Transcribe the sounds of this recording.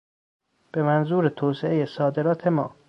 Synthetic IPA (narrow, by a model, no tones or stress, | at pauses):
b̥e̞mænzuːɾet̪ʰoːseʔejesɒːd̪e̞ɾɒːt̪ʰe̞mɒː